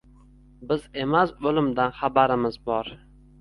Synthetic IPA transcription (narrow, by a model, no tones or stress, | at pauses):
bɪze̞masolɪmd̪anχabaɾɪmɪzbɒɾ